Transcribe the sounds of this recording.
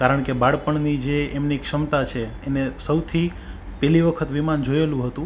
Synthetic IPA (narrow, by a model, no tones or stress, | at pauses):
kaɾəɳkebaɽpəɳnid͡ʒeemnikʃəmt̪at͡ʃʰeːnesəwt̪ʰi | pɛliʋəkʰət̪ʋimand͡ʒoelũɦət̪ũ